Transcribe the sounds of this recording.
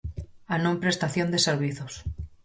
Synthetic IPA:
anõmpɾest̪aθjond̪eseɾβiθos

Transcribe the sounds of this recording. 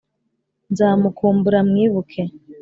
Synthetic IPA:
nzaːmukʰuːmbuɾamŋiːβukʰe

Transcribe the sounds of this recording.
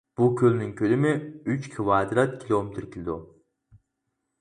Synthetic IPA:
b̥ukʲʰølnɪŋkʲʰølɪmɪyt͡ʃkʲʰivɑːd̪ɾɑt̪̚kʲʰilˠomɪt̪ʰɾkʲilɪd̪u

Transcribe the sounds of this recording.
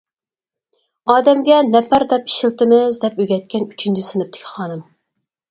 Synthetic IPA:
ɑːd̪ɛmɡʲɛnɛpʰæɾd̪ɛpi̥ʃilt̪ɪmɪzd̪ɛpøɡʲɛt̪̚kʲʰɛnyt͡ʃʰint͡ʃʰisɨnɨp̚t̪ʰɪ̥kʲʰi̥χɑːnɨm

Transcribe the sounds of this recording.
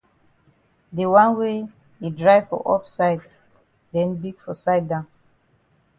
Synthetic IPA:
dewãnwe | idɹajvfɔ̰ʔɔpsaɪd | dɛ̃nbiɡfɔsaɪd̚dãn

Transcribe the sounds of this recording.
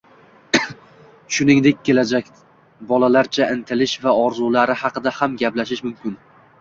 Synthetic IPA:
ʃʊnɪŋd̪e̞k̚ʲkʰʲːe̞lad͡ʒakʲ | bɒlalaɾt͡ʃʰaɪnt̪ʰɪlɪʃvaɒɾzulaɾɪhɑqɨd̪ahamɡʲaplaʃ̬ɪʃmʊmkʲɪn

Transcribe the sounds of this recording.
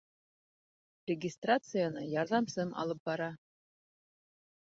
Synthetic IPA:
rʲɪɡʲɪst̪rat̪sɨjanɤjɑɾðɑmsɤnʔɑ̰lˠɤp̚bɑɾɑ

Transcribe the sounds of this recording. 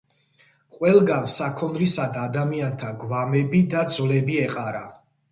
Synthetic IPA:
qʼwɛlˠɡansakʰɔnɾisad̪aːd̪amiant̪ʰaɡvamɛbid̪ad̪zlɛbiɛqʼaɾa

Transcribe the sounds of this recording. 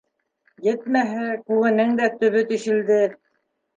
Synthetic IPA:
jɘt̪mæɦækʉɣɘ̆nɘŋd̪æt̪ɵ̆βɵt̪ɵ̆ʃɘ̆ld̪ɘ

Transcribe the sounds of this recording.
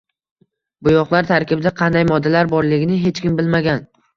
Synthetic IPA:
bʊjɒqlˠaɾt̪ʰaɾkʲɪbɪd̪aqʰɑnd̪ajmɒd̪ːalaɾbɒɾlɪɡʲɪnɪɦe̞t͡ʃkʲɪmbɪlmaɡʲan

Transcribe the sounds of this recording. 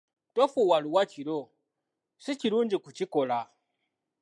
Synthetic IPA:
tofuwaluwat͡ʃiɾo | sit͡ʃiɾuːɲd͡ʒikut͡ʃikola

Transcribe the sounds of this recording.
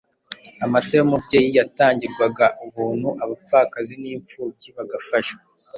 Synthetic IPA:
amateamotejijataːɲɟiɾɡwaɡaʔuβuːnhuʔaβapakaziniːɱfuːciβaɡafaʃwe

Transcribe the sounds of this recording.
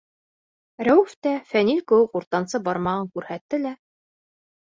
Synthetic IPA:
ɾæwɘ̆ft̪æfænilkɘ̆wɘquɾt̪ɑnsɤbɑɾmɑʁɤŋkʉɾhæt̪ːɘlæ

